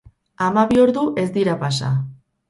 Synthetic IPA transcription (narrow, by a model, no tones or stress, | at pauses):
amaβioɾðuʔe̞zd̪iɾapasa̰